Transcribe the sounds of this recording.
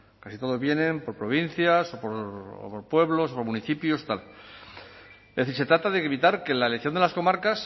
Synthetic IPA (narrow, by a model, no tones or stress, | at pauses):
kasit̪o̞ð̞o̞zβje̞nẽ̞mpo̞ɾpɾo̞βin̟θjasopoɾ̰poɾpwe̞βlo̞sopomuniθipjost̪al | ðeθiɾse̞t̪ɾat̪aðeβit̪aɾke̞laeleθjo̞nd̪elasko̞maɾkas